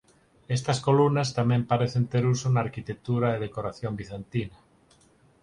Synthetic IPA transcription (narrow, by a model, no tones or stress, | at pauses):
est̪askolunast̪amẽmpaɾeθent̪eɾusonaːɾkit̪ek̚t̪uɾaeðekoɾaθjombiθent̪ina